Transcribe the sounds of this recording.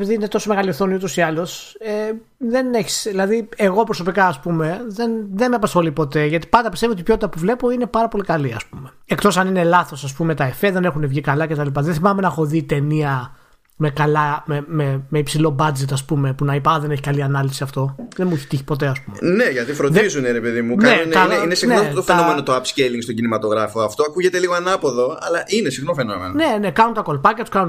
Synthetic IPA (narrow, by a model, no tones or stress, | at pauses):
piðiine̞t̪o̞some̞ɣɐlioθo̞niut̪o̞siɐlo̞se | ðe̞neçi̥sðilɐðieɣo̞pɾoso̞pikɐːspume̞ðe̞nðenmeɐpɐsxo̞lipo̞t̪e̞ʝɐt̪i̥pɐnd̪ɐpist̪evot̪ipço̞t̪it̪ɐpuvle̞po̞ine̞pɐɾɐpo̞likɐliɐ̰spume̞ | ekt̪o̞sɐnine̞lɐθo̞sɐs̬pumet̪ɐefeðe̞ne̞xune̞vʝikɐlɐcet̪ɐlipɐðenθimɐme̞nɐxo̞ðit̪e̞niɐ | me̞kɐlɐmememe̞ipsilo̞bɐd͡ze̞t̪ɐspume̞punɐipɐɐðe̞neçikɐliɐnɐlisiɐft̪o̞ðenmueçi̥t̪içi̥po̞t̪̬e̞ɐspumene̞ʝɐt̪ifɾoðizuneɾe̞pe̞ðimuknenunɐeinesinneot̪ofeɐnome̞not̪oɐpsceliŋɡst̪o̞ɟinimɐt̪o̞ɣɾɐfo̞ɐft̪oɐkuʝe̞t̪e̞liɣoɐnɐpo̞ðo̞ɐlɐʔinesiɣnofe̞nomenne̞ne̞kɐnunt̪ɐko̞lpɐcɐt̪u̥skɐnun